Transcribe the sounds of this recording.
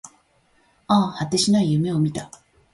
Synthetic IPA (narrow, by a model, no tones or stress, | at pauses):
aːhat̪ːe̞ɕinaijɯ̟me̞o̞mʲit̪a